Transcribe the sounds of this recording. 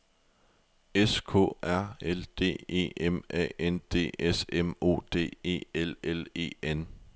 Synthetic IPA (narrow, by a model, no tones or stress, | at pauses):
eskʰɔ̰̽ːæɐ̰eld̥e̝̰ːe̝̰ːʔemɛ̰end̥e̝̰ːesemo̝̰ːd̥e̝̰ːe̝̰ːelele̝̰ːen